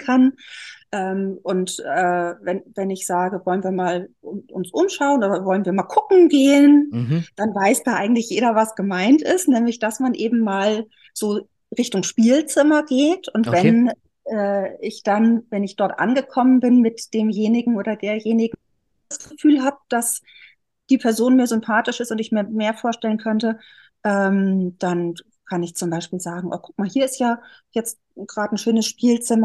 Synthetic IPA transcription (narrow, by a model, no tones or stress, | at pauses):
kʰanʔɛːmʔʊntɛːvɛnvɛnɪçz̥aːɡəvɔlənviːɐmaːlʊʊ̰nsʔʊmʃaʊənʔoːdɐvɔlənviːɐmaːlkʰʊkŋ̩ɡeːənd̥anvaɪsd̥aːʔaɪɡŋ̩tlɪçjeːɾɐvasɡ̥əmaɪntɪ̰stnɛːmlɪçd̥asmanʔeːbm̩maːl | z̥oː | ʁɪçtʊŋʃpiːlt͡sɪmɐɡeːtʰʊntv̥ɛnn | ʔɛːɪçd̥anvɛnɪçd̥ɔɐtʔa̰nɡəkʰɔmənbɪnmɪtd̥eːmjeːnɪɡŋ̩ʔoːɾɐdeːɐjeːnɪɡŋ̩ | asɡ̥əfyːlɦaːb̚d̥as | d̥iːpʰɛɐzoːnmiːɐzʏmpʰaːtɪʃɪstʊntɪçmiːɐmeːɐfoːɐʃtɛlənkʰœntə | ʔɛːmd̥an | kʰanɪçt͡sʊmbaɪʃpiːlzaːɡŋ̩ʔo̰kʰʊ̥k̚maːlɦiːɐɪstjaːjɛt͡st | ɡ̥ʁaːdən̩ʃøːnəsʃpiːlt͡sɪmɐ